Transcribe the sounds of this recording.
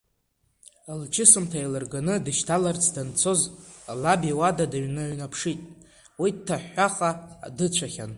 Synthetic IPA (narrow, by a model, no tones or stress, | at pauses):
alt͡ʃʰɪsɨmtʰailɨrɡanɨdɨʃtʰalart͡sʰdant͡sʰo̞zlabiwadadaɥnɨɥnapʰʂitʼ | wid̚tʰːaħːaχʼa̰ːdɨt͡ɕʷʰaχʲan